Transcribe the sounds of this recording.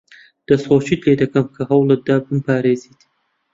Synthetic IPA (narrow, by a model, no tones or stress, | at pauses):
d̪̥ɐshoːt͡ʃiːt̪leːd̪ɐkɐmkʰɐɦɐwlɐd̪aːbɨmpʰaːɾeːziːt̪